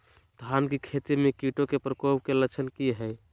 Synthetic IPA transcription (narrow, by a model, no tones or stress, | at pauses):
t̪ɦankikʰet̪iɾmekiʈokepɾəkobkelət͡ʃʰənkiɦəj